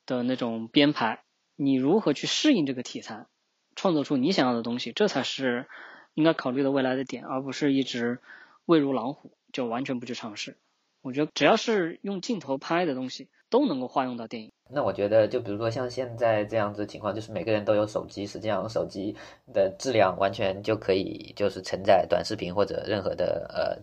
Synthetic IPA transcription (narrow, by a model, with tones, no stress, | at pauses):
d̪̥ə˨na˥˩ʈ͡ʂʊ˨˩ŋpjɛ˥npʰa˧˥ɪ | ni˨˩ɻu˧˥xɤ˧˥t͡ɕʰy˥˧ʂɻ̩˥˧i˥˧ŋʈ͡ʂɤ˥˩ɡə˩t̪ʰi˨˩t͡sʰa˥˩n | ʈ͡ʂʰwɑ˥˧ŋt͡swɔ˥˧ʈ͡ʂʰu˥ni˧˥ɕjɑ˨˩ŋjɑ˥˩ʊdə˩t̪ʊ˥ŋɕi˨˩ʈ͡ʂɤ˥˩t͡sʰa˧˥ɪʂɻ̩˥˩i˥ŋka˥ɪkʰɑ˨˩ʊly˥˩d̪ə˩we˥˩ɪla˧˥ɪd̪ə˧t̪jɛ˨˩nə˞˧˥pu˧˥ʂɻ̩˥˧i˥˩ʈ͡ʂɻ̩˧˥ | we˥˩ɪɻu˧˥lɑ˧˥ŋxu˨˩˦t͡ɕjo˥˩ʊwa˧˥nt͡ɕʰɥɛ˧˥np̬t͡ɕʰy˥˩ʈ͡ʂʰɑ˧˥ŋʂɻ̩˥˩ | wɔ˨˩t͡ɕɥɛ˧˥d̪ə˧ʈ͡ʂɻ̩˨˩jɑ˥˧ʊʂɻ̩˥˧jʊ˥˧ŋt͡ɕi˥˩ŋt̪ʰo˧˥ʊpʰa˥ɪd̪ə˨t̪ʊ˥ŋɕi˨˩ | t̪o˥ʊnɤ˧˥ŋko˥˧ʊxwa˥˧jʊ˥˧ŋt̪ɑ˥˧ʊt̪jɛ˥˩ni˨˩ŋna˥˩wɔ˨˩t͡ɕɥɛ˧˥d̪ə˧t͡ɕjo˥˩ʊp̬i˨˩ɻu˧˥ʂwɔ˥ɕjɑ˥˧ŋɕjɛ˥˧nt͡sa˥˧ɪʈ͡ʂɤ˥˧jɑ˥˩ŋd͡z̩˩d̪t͡ɕʰi˧˥kʰwɑ˥˧t͡ɕo˥˧ʊʂɻ̩˥me˨˩ɪɡə˥ɻə˧˥nt̪o˥ʊjo˧˥ʊʂo˨˩ʊt͡ɕi˥ʂɻ̩˧˥t͡ɕi˥˧ʂɑ˥˧ŋʂo˨˩ʊt͡ɕi˥ | d̪ə˧ʈ͡ʂɻ̩˥˧ljɑ˥˩ŋwʔa˧˥nt͡ɕʰɥɛ˧˥nt͡ɕjo˥˩ʊkʰɤ˧˥ḭ˨˩t͡ɕjo˥˧ʊʂɻ̩˥˩t͡sʰə˧˥ŋt͡sa˥˩ɪt̪wa̰˨˩nʂɻ̩˥˩pʰi˧˥nxwɔ˥˩ʈ͡ʂɤ̰˨˩ɻə˥˩nxɤ̰˧˥d̪ə̰˧ə̰˧˩